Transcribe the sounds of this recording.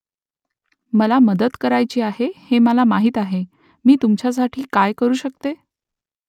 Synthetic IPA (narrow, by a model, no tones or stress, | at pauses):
məlaməd̪əd̪kəɾajt͡ɕiːaɦeheməlamaɦiːt̪aɦe | miːt̪umt͡ɕjas̬aʈʰiːkajkəɾuːɕək̚t̪e